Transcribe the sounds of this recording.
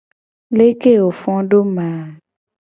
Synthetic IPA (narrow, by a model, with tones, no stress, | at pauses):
le˦ke˦˨wo˨fɔ̃˦ɖo˦mã˨